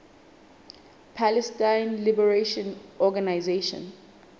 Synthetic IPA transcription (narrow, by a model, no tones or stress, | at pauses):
pʰalɛstãjnlibɛɹeʃɔ̃nʔɔɡanajzeʃɔ̰̃n